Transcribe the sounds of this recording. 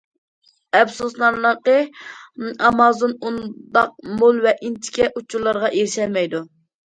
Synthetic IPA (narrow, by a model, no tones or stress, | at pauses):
ɛpsuslˠɑɾlˠəqə | ɑmɑzonund̪ɑq̚molˠvɛʔint̪ʰɪ̥kʲɛʔut͡ʃʰuɾlˠɑɾʁɑʔeɾɪʃɛlmɛjd̪u